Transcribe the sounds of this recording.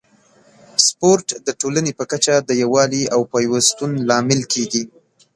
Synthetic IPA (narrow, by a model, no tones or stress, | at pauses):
spoɾʈd̪əʈolanepəkat͡ʃad̪əjawɑliawpɑjwast̪unlɑmɪlkʰeɡi